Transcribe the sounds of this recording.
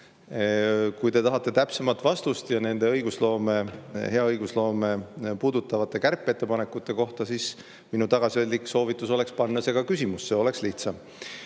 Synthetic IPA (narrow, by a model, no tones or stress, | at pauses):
kujt̪e̞t̪ɑɦɑt̪ˑːe̞t̪æpse̞mɑlt̪ˑvɑst̪ust̪jɑne̞nd̪e̞ɤjɡ̥uslo̞ːme̞he̞ɑɤjɡ̥uslo̞ːme̞puːd̪ut̪ːˑɑvɑt̪ːˑe̞kærpˑːe̞t̪ːˑepɑnekːˑut̪ːˑe̞ko̞ht̪ɑsis | minut̪ɑɡ̥ɑsiold̪ʲikso̞ːvit̪ːˑuso̞le̞kspɑnːɑse̞ɡ̥ɑkysʲimusːe̞o̞le̞ksliht̪sɑm